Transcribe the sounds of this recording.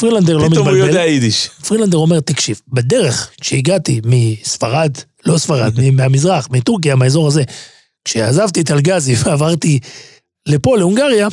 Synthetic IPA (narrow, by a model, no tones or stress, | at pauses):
fʁiland̪eʁlo̞mitaljodeaid̪iʃfʁinland̪eʁo̞me̞ʁt̪akʃivbed̪e̞ʁe̞χkʃeiɡat̪imisfaʁad̪ | lo̞sfaʁa̰d̪mimiamizʁaχmituʁk̬ijamaezo̞ʁaze̞ | kʃeazavt̪it̪alɡaziveavaʁt̪i | le̞po̞leuŋɡaʁja